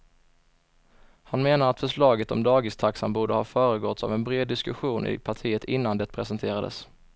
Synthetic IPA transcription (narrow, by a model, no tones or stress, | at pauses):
hanmeːnaɾat̪fœʂɭɑːɡət̪ɔ̰md̪ɑːɡɪst̪ʰaksanbuːɖəhɑːfœːɾəɡɔt̪sa̰vɛnbɾeːd̪ːɪskɵɧuːnʔɪ̰pʰaʈʰiːət̪ʰɪnːand̪ɛt̪̚pʰɾɛsɛnt̪ʰeːɾad̪ə̰s